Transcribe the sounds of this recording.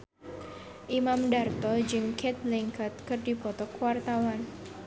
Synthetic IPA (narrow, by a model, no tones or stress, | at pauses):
ʔimamdart̪ɔd͡ʒɨŋkʰɛt̪̚liŋkət̪̚kɨrdipɔt̪ɔkuwart̪awan